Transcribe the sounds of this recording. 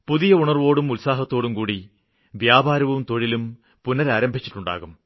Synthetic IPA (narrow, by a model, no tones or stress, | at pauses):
puðijɐuɳɐrʋo̞ːɽumulsaːɦɐt̪ːo̞ːɽumkuːɽi | ʋjaːbaːɾɐʋumt̪o̞ɻilum | punːɐɾaːɾɐmbʱit͡ɕːi̥ʈːuɳɖa̰ːɣum